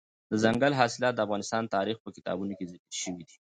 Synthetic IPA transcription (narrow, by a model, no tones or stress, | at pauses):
d̪əzaŋɡalɦɑsɪlɑt̪̚d̪əafɣɑnɪst̪ɑnt̪ɑɾixpəkɪ̥t̪ɑ̰bunokezɪkəlʃəwid̪i